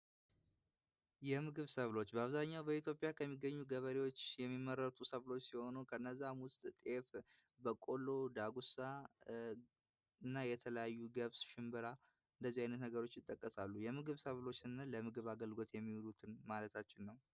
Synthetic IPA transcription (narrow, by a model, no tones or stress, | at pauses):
jɛmɨɡɨβsəβlo̞t͡ʃːbəaβzaɲːawbəit̪ʰjo̞pʼjakʰəmːiɡːəɲːuɡəβəɾewo̞t͡ʃːjɛmːimːəɾət̪ʼusəβlo̞t͡ʃːsiho̞nukʰəɨnːəzːamwʊst̪ʼt̪ʼe̞f | bəkʼo̞lo̞d̪aɡusa | ɨnːajɛt̪ʰələjajːuɡəβsʃɪmbɨɾa | ɨnd̪əzːihajnət̪nəɡəɾo̞t͡ʃːjɪt̪ʼːəkʼːəsalːujɛmɨɡɨβsəβlo̞t͡ʃːɨnːaləmɨɡɨβaɡəlɡo̞t̪jɛmːiwulut̪ʰɨnmalət̪ʰat͡ʃːɪnːəw